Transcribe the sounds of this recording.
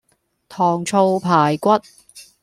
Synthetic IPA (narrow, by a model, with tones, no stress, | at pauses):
t̪ʰɔː˨˩ŋt͡sʰo˧wpʰaː˨˩jkʷɐ˥t̚